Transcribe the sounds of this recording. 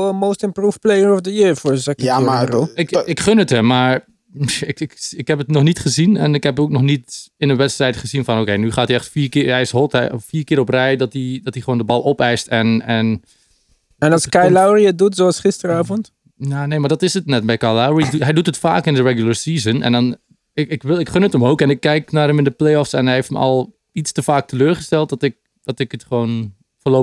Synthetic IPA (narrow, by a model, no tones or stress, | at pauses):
əmowstənprufplejərɔfdəɪfʊɹzɛkəroɪkɪkχønəthəmaɹ | ɪkɪkɪkɦɛpətnɔχnitχəzinɛnɪkhɛpok̚nɔχnitɪnənʋɛtstrɛjtχəzinfɔnokejnyχaːtiɛχtfiːɹkɪɛjsɦɔtɛ̰fiːɹkɪːɾɔprɛjdɔtidɑtiχʋoːndəbɑlˠɔpɛjstɛnɛn | ɛnɑlˠskajlawriədutsoɑlˠsχɪstəɾaːvɔnt | janejmaɹdɑtɪsətnɛt̚bɛjkalawɹiɦɛjdutɦətfa̰ːkɪndəɹɛɡjlˠəɹsiːzənɛ̰ndɔn | ɪɪkʋɪlˠɪkχønətəmowkɛnɪkːɛjknaːrɦɛmɪndəplejɔfsɛnɦɛjeftmə̰ʔɑ̰lˠ | itstəfaːk̚tʰəløːɹχəstɛlˠt̚dɔtɪk̚ | d̥ɔtɪkətχəʋoːn | fəloː